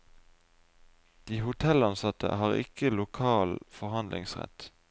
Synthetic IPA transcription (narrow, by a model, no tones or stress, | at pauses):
d̪̥iːhʊt̪ʰɛlɑnsɑt̪ʰə̰hɑːʁɪ̰kəlʊkʰɑːlfɔʁhɑnd̪lʔɪ̰ŋsʁɛ̰t̪